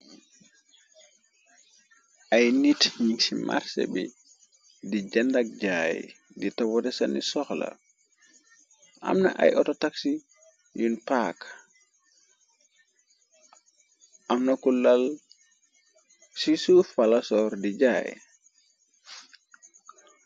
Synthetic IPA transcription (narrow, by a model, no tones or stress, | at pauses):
ʔajnitɲisima̰ɾsḛbḭ | did͡ʒandak̚d͡ʒaj | ditawɔtɛsanisɔxla̰ | ʔa̰mna̰ʔa̰jʔɔtɔtaksi | junpak | ʔamnakulːal | sisufalasɔːɾdid͡ʒaj̰